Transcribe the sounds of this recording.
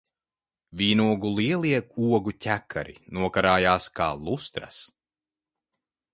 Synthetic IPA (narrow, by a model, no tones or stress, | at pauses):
vʲiːnuɔɡulˠiɛlˠiɛuɔɡucʲækʰːa̰ɾḭnuɔkaɾaːjaːskaːlˠust̪ɾa̰s